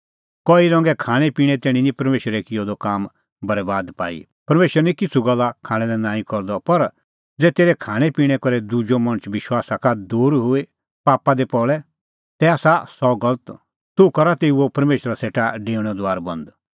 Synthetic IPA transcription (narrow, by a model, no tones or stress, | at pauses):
kɔːiɾɔ̃ːŋɡɛkʰaːɽ̃ɛpiːɽ̃ɛ̃t̪eːɽ̃ĩnĩpɐɾmeːʃɾɛkɪjod̪ɔkaːm | bɐɾɛbaːd̪pa̰ːḭ | pɐɾmeːʃəɾnĩkɪt͡sʰuɡɐlːakʰaːɽ̃ɛ̃lɛnaːĩkɔɾd̪ɔpɐɾ | d͡zɛːt̪eːɾɛkʰaːɽ̃ɛpiːɽ̃ɛkɔɾɛd̪ud͡ʒomɐ̃nət͡ʃʋɪʃwaːsakad̪uːɾɦʊe | paːpad̪epɔɭɛ | t̪ɛaːsasɔɡɐlət̪ | t̪ʊkɐɾat̪eːuopɐɾmeːʃɾaseːʈaɖeːɽ̃ɔd̪ʊaːɾbɐ̃nd̪